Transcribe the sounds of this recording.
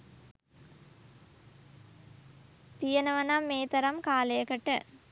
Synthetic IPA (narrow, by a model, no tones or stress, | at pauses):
t̪ijɐnɐʋɐnamːeːt̪ɐɾɐmkaːlɐjɐkɐʈːɨ